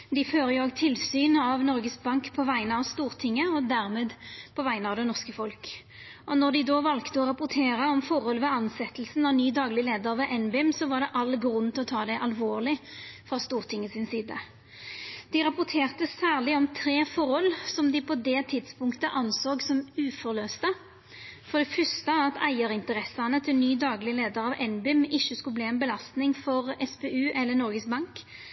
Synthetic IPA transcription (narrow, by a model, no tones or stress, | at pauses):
d̪ɪføːɾəjʊoːɡt̪ʰɪlsyːnɑʋnɔɾɡəsbɑŋkpʰɔʋæɪnəɑʋst̪uːʁt̪ʰɪŋːəɔd̪æʁmeːd̪pʰɔʋæɪnəɑʋd̪ɛnɔʁskəfɔlk | ʔɔnɔʁd̪ɪd̪oːʋɑlkt̪əɔɾɑpʊɾt̪ʰeːɾəɔmfɔʁɔlʋɛɑnsɛt̪əlsn̩ɑʋnyːd̪ɑːɡlɪleːd̪əɾʋɛʔɛnbɛɛmsɔʋɑʁɖ̪ɛʔɑlɡɾʉnːt̪ʰɪlɔt̪ʰɑːd̪æʔɑlʋoːʁlɪfʁɑst̪uːʁt̪ʰɪŋːəsɪnsiːd̪ə̰ | d̪̥ɪɾɑpʊt̪ʰeːʁt̪əsæːʁlɪɔmt̪ʰɾeːfɔɾɔlsɔmd̪ɪpʰɔd̪ɛt̪ʰɪd̪spʊŋkt̪əʔɑnsoːɡsɔmʉːfɔʁløːst̪ə | fɔɾd̪ɛfœst̪əɑt̪æɪəɾɪnt̪əʁɛsɑnət̪ʰɪlnyːd̪ɑːɡlɪleːd̪əɾɑʋʔɛnbʏmɪʃːəskʉlbliːɛnbəlɑst̪nɪŋfɔʁɛsbeʉːʔɛlːənɔɾɡəsbɑŋk